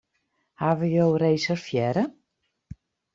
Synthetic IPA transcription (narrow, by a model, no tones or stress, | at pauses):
haʋəjowrejsərfjɛɾə